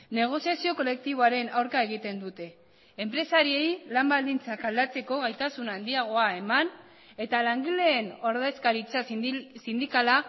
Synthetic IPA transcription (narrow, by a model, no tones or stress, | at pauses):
ne̞ɣ̞o̞siasio̞ko̞le̞k̚t̪iβ̞o̞aɾe̞nawɾkae̞ɣ̞it̪e̞nd̪ut̪e̞ː | mpɾe̞saɾie̞jlambald̪int͡sakald̪at͡se̞ko̞ɣajt̪asunand̪iaɣ̞o̞ae̞man | e̞t̪alaŋɡile̞ːno̞ɾðeskaɾit͡sasind̪ikala